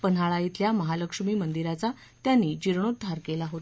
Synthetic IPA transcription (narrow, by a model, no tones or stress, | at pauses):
pən̤aɭait̪ljaməɦaləkʂmiːmənd̪iɾat͡sa | t̪janːiːd͡ʑiɾɳ̃ot̪̚ːaɾkelaɦot̪